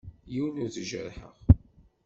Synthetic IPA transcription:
jiwnuθʒə̰ɾħə̰ʁ

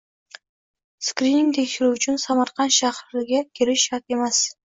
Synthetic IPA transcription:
skɾiniŋt̪ʰekʲʃɪɾuʊt͡ʃʰɪnsamɑɾqɑnt̪ʃahɾɪɡʲakʲʰeɾɪʃɑɾt̪e̞mas

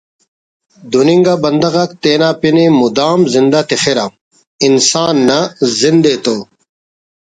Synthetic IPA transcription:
d̪uniŋɡabɐnd̪ɐɣɐkt̪eːnaːpinimud̪aːmzind̪at̪ixeɾam | insaːnːɐzind̪et̪oː

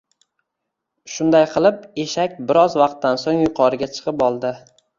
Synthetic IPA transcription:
ʃʊnd̪ajqʰɨlˠɪpeʃakʲbɪɾɒzvɑq̚t̪ʰːansoŋjʊqʰɒɾɪɡʲat͡ʃʰɨ̥qɨpɒlˠd̪ɪ

